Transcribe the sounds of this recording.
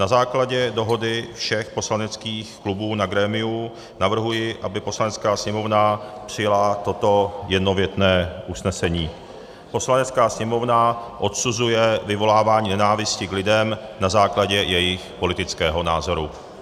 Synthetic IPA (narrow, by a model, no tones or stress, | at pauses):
nazaːklaɟɛdo̞ɦo̞dɪfʃɛxpo̞slanɛt͡skiːxklubuːnaɡɾɛːmɪu | navr̩ɦujɪʔabɪpo̞slanɛt͡skaːsɲɛmo̞vnapr̥ɪjalat̪o̞t̪o̞jɛdno̞vjɛt̪nɛːʔusnɛsɛɲiː | po̞slanɛt͡skaːsɲɛmo̞vnaʔo̞t̪suzujɛvɪvo̞laːvaːɲiːnɛnaːvɪscɪklɪdɛmnazaːklaɟɛjɛjɪxpo̞lɪt̪ɪt͡skɛːɦo̞naːzo̞ɾu